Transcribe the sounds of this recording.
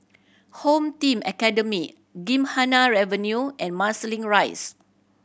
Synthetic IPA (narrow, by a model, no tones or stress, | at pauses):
hõmtĩmɛkɛdəmi | ɡĩmhanaɹɛvənjuʔɛ̃nmasəlĩŋɹajs